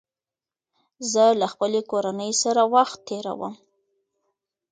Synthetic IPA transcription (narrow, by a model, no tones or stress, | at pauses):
zəlaxpəlekoɾanəjsaɾawaxt̪ːeɾa̰wə̰m